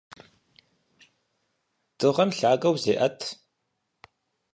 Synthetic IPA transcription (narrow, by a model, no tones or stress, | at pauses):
d̥ɨʁɐmɬaːɡɐwzeːʔɐtʰ